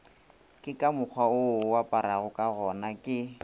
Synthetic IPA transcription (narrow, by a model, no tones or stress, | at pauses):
kʼɪkʼamʊk͡xʰwaʊwapʼaɾaɣʊkʼaɣɔnakʼɪ